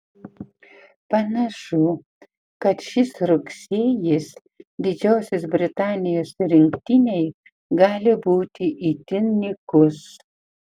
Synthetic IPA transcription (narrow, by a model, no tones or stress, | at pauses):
pɐnɐʃʊ | kɐt̪ʃʲɪsɾʊksʲeːjɪs | d̪ʲɪd͡ʒʲɛʊsʲɪs̬bʲɾʲɪt̪ɑːnʲɪjoːsɾʲɪŋkt̪ʲɪnʲɛɪ | ɡɑːlʲɪbuːt̪ʲɪʔit̪ʲɪnnʲɪkʊs